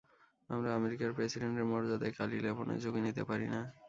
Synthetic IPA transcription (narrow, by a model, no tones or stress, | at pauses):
amɾaameɾikaɾpɾesiɖeɳʈeɾmɔɾd͡ʑad̪akalilebonḛd͡ʑoɡinit̪epaɾina